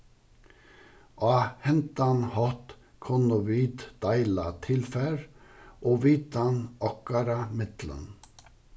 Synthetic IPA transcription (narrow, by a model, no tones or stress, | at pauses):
ʔɑːhɛnt̪ɑnhɔt̪ | kʰɔnɔʋiːt̪d̪̥ɑɪlɑt̪ʰɪlfæːɾʔoːʋiːt̪ɑnɑkɑɾɑmɪt̪lə̰n